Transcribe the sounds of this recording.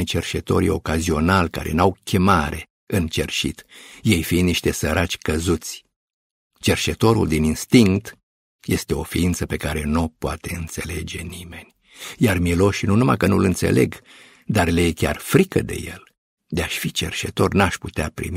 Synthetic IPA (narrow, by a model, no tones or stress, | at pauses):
jt͡ʃe̞rʃe̞t̪o̞̰ɾijo̞̰kazio̞nalka̰ɾe̞̰nawkʲʰe̞maɾe̞ | ɨnt͡ʃe̞rʃḭt̪je̞jfind̪niʃt̪e̞səɾʔat͡ʃʲkəzut̪sʲ | t͡ʃe̞rʃet̪o̞ɾṵld̪ininst̪iŋkt̪ | je̞st̪e̞o̞fiint̪səpe̞kaɾe̞nopoat̪e̞ɨnt̪se̞le̞d͡ʒe̞nime̞nʲ | jarmilo̞ʃnunuma̰kənṵlɨnt̪se̞̰le̞̰ɡ | d̪arlejekʲa̰rfɾikə̰d̪e̞̰je̞̰l | d̪eaʃfit͡ʃe̞̰rʃe̞t̪o̞rnaʃʲput̪eapɾḭmi